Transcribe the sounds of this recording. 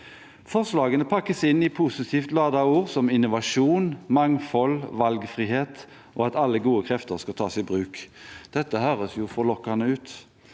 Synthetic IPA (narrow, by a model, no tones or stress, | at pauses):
fɔʁslɑːɡənəpʰɑkːəsɪnːɪpʰʊsɪt̪ʰiːft̪lɑːd̪ɑuːʁsɔmɪnʊʋɑʂuːnmɑŋfɔlʋɑlɡfʁiːheːt̪ | ʔɔːɑt̪ɑlːəɡuːəkʰʁɛft̪əʁskɑt̪ʰɑːsɪbʁʉːkd̪̥ɛt̪ːəhøːʁəsjʊfɔʁlɔkːɑnəʉːt̪